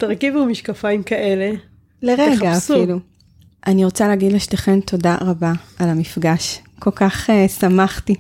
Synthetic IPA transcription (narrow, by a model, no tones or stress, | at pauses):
t̪ɐʁkivumiʃkafaimkaʔele | leʁeɡaːsfilu | ʔaniʁo̞t͡saleaɡid̪laʃteχentʰo̞daʁabaalamifɡaʃko̞lkaχesamaχti